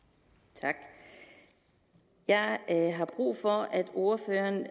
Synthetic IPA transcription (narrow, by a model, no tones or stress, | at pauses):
t͡sʰɑ̈ɡ̥ | jɑ̈ɪɦɑ̈b̥ʁṵːfɒ̽æd̥o̝ɐfø̰ɐn